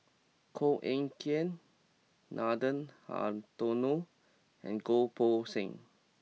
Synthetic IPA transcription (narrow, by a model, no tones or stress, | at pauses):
kʰoʔẽŋkiə̃nː | ʔadə̃nha̰tonu | ɛ̰̃nɡopʰosĩŋ